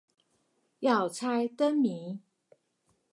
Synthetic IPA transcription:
jɑ˥˨˩ʊt͡sʰa˥ɪt̪ə˦nmi˨˧˦

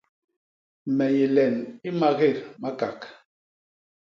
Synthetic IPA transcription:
mɛ˨je˨lɛ˨ni˦ma˦ɣe˦˨ɾma˦ka˨k

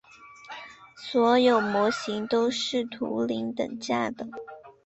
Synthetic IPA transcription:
swɔ˧˥jo˨˩ʊmwɔ˧˥ɕi˧˥ŋt̪o˥ʊʂɻ̩˥˩t̪ʰṵ˧˥li˧˥ŋt̪ə̰˨˩ŋt͡ɕja˥˩d̪ə˨˩

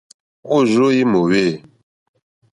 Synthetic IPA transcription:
o˦˨zo˦ji˦mo˨we˦˨

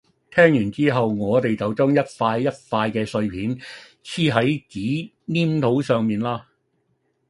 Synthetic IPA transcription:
t̪ʰɛː˥ŋjyː˨˩nt͡siː˥ɦɐ˨wŋɔː˨˧t̪e˨jt͡sɐ˨wt͡sœː˥ŋjɐ˥t̚faː˧jːɐ˥t̚faː˧jkɛː˧sɵ˧ɥpʰiː˨˥n | t͡sʰiː˥ɦɐ˨˥jt͡siː˨˥ | niː˥mt̪ʰo˨˥wsœː˨ŋmiː˨nlaː˥

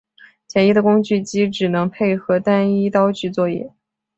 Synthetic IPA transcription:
t͡ɕʰjɛ˧˥ni˥d̪ə˨kʊ˥ŋt͡ɕy˥˩t͡ɕi˧˥ʈ͡ʂɻ̩˨˩nɤ˧˥ŋpʰe˥˩ɪxɤ˧˥t̪a˥ni˥t̪ɑ˥ʊt͡ɕy˥˧t͡swɔ˥˧jɛ̰˥˩

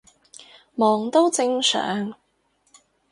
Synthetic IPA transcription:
mɔː˨˩ŋt̪o˥wt͡sɪ˧ŋsœ̰ː˨˥ŋ

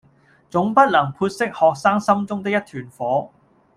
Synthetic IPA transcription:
t͡sʊ˨˥ŋpɐ˥t̚lɐ˨˩ŋpʰuː˧t̚sɪ˥k̚hɔː˨k̚saː˥ŋsɐ˥mt͡sʊ˥ŋt̪̬ɪ˥k̚jɐ˥t̪ʰyː˨˩nfɔː˨˥

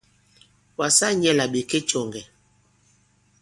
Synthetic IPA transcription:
wa˨sa˦ɲɛ˦la˨ɓe˨ke˦t͡ʃɔ˨ŋɡɛ˨

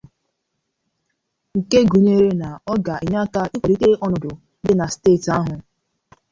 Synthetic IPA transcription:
ŋ̩˨ke˦ɡu˨ɲ˦e˦ɾe˦na˨ɔ˦ɡa˨i˨ɲa˦ka˦ɪ˦kʷɔ˨ɾi˦te˦ʔɔ˦nʊ˨dʊ˨ | dɪ˦na˨steː˦˨ta˦ɦʊ˨

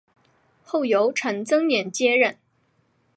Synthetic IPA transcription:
xo˥˩ʊjo˧˥ʊʈ͡ʂʰə˧˥ŋt͡sɤ˥ŋnjɛ˨˩nt͡ɕjɛ˥ɻə˥˩n

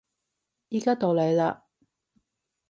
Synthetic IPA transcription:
jiː˥kaː˥t̪o˨˧wle˨˧jlaː˧

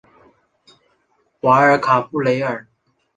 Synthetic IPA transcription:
xwa˧˥ə˞˧˥kʰa˨˩fu˥˩le˧˥ɪə˞˨˩

